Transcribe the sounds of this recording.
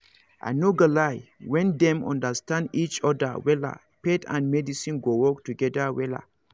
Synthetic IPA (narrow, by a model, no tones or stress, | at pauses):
ʔa̰noɡalajwɛ̃ndɛ̃mɔ̰̃ndəstãndit͡ʃɔda̰wɛla̰ | petã̰nmɛdisĩnɡowɔktuɡɛdawɛla̰